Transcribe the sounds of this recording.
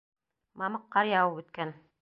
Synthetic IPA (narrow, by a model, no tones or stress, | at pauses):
mɑmɤqːɑɾjɑwɤpʉt̪̚kæn